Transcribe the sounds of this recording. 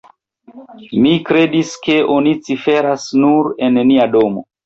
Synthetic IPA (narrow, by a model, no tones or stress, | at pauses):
mikɾe̞diske̞onit͡sife̞ɾasnuɾe̞nniado̞mo̰